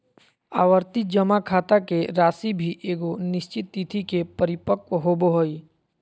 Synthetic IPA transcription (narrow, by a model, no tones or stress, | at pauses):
aːʋəɾt̪id͡ʒəmakʰaːt̪akeɾaːsibʱiʔeːɡonɪʃt͡ʃɪt̪ːit̪ʰikepəɾɪpəkwəɦoboɦoiː